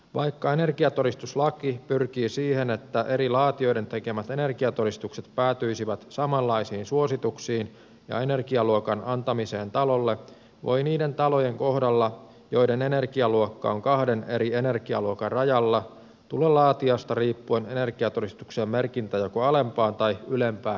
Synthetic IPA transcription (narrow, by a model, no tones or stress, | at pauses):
ʋɑjkːɑe̞ne̞rkiɑt̪o̞ɾist̪uslɑkipyrk̟iːsiːhe̞ne̞t̪ːæʔe̞ɾilɑːt̪io̞jde̞nt̪e̞ke̞mæt̪e̞ne̞rkiɑt̪o̞ɾist̪ukse̞t̪̚pæːt̪yisiʋæt̪sɑmɑlːɑjsiːnsuo̞sit̪uksiːn | jɑ̰e̞ne̞rkiɑluokɑnɑnt̪ɑmise̞ːnt̪ɑlo̞lːe̞ | ʋo̞̰jniːde̞nt̪ɑlo̞je̞ŋko̞hdɑlːɑ | jo̞idenene̞rkiɑluokːɑ̰oŋkɑhdeneɾie̞ne̞rkiɑ̰luokɑrrɑjɑlːɑ | t̪ulelɑːt̪iɑst̪ɑriːpːuene̞ne̞rkiɑt̪oɾist̪ukseːmme̞rkint̪æjokoɑle̞mpɑːnt̪ɑjylempæːn